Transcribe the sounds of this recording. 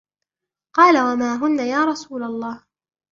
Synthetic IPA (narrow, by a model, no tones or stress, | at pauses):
qɑːlawamaːɦʊnːajaːɾˤɑsuːlalˤːɑːh